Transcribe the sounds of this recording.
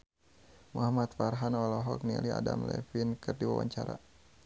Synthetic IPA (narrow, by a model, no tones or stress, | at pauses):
muɦamat̪farɦanɔlɔɦɔk̚niliadamlɛfinkɨrdiwa̰waɲt͡ʃaɾa